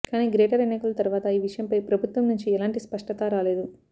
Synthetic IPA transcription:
kaːniːɡɾeːʈɐɾɛnɐjkɐlɐt̪ɐɾuʋaːt̪ɐiːʋiʂɐjɐmpɐjpɾɐbʱut̪ʋɐmnuɲt͡ʃiɛlaːɳʈispɐʂʈɐt̪aːɾaːleːd̪u

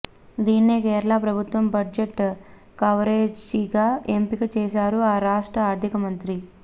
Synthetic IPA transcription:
d̪iːnːeːkɛːɾɐɭaːpɾɐbʱut̪ʋɐmbɐɖd͡ʒeʈː | kɐʋɾeːd͡ʒiɡaːempikɐt͡ʃɛːʃaːɾuaːɾaːʂʈɾɐaːɾd̪ʱikɐmɐnt̪ɾi

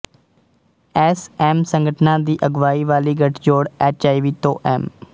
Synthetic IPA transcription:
ɛːsɛːmsəŋɡʱəʈʰnãːd̪iːʔəɡʋaːiːʋaːliːɡəʈʰd͡ʒoːɽɛːt͡ʃaːiʋiːt̪õːʔɛːm

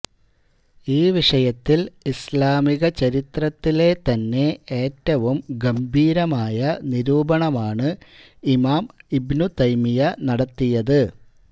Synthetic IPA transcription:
iːʋiʂɐjɐt̪ːilislaːmiɣɐt͡ɕɐɾit̪rɐt̪ːile̞t̪ɐnːe̞e̞ːtːɐʋumɡɐmbʱiːɾɐmaːjɐniɾuːbɐɳɐmaːɳɨ | imaːmibnut̪ɐjmijɐnɐɽɐt̪ːijɐðɨ

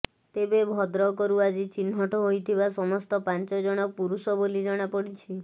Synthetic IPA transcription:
t̪ebebʱɔd̪ɾɔkɔɾuad͡ʒit͡ʃinɦɔʈɔɦojt̪ʰibasɔmɔst̪ɔpant͡ʃɔd͡ʒɔɽ̃ɔk̚puɾusɔbolid͡ʒɔɽ̃apɔɽit͡ʃʰi

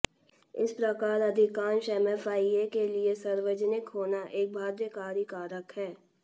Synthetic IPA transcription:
ɪ̰spɾɐkaːɾɐd̪ʱɪkaːnʃɛmɛːfaːiekeliesɐɾwəd͡ʒnɪkɦoːnaʔeːk̚bʱaːd̪jəkaːɾjikaːɾəkɦɛː

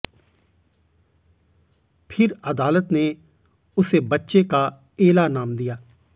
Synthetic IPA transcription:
pʰɪɾəd̪aːlət̪neː | ʊseːbətːʃeka | eːlaːnaːmd̪ijaː

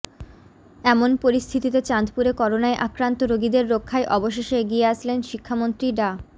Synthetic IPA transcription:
ɛmonpoɾist̪ʰit̪it̪et͡ɕand̪puɾekɔɾonaeʔakɾant̪oɾoɡid̪eɾːokʰːaeʔɔboʃeʃeeɡieaʃʰlenʃikʰːamont̪ɾiɖa

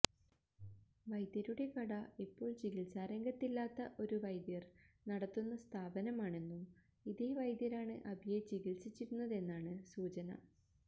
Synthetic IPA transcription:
ʋɐjd̪jɐɾuɽe̞kɐɽɐipːo̞ːɭt͡ɕiɣilsaːɾɐŋɡɐt̪ːilːaːt̪ːɐʔo̞ɾuʋɐjd̪jɐrnɐɽɐt̪ːunːɐst̪ʰaːbɐnɐmaːɳe̞nːum | iðeːʋɐjd̪jɐɾaːɳɨʔɐbʱjet͡ɕiɡilsit͡ɕːiɾunːɐðe̞nːaːɳɨsuːt͡ɕɐnɐ̰

